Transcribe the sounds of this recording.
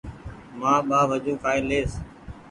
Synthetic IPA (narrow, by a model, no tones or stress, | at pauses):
mãːɓaːʋəd͡ʒuːkʰaːɪːleːs